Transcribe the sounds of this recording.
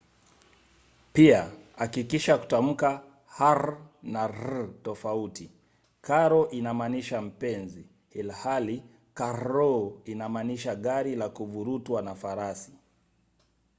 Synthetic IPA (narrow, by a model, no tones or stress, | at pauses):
piaakikiʃaku̥tam̩ka | haɾnaɾtɔfauti | kaɾɔʔinamaniʃam̩pɛnzi | hilhali | kaɾɔinamaniʃaɠaɾilakuvuɾutwanafaɾasi̥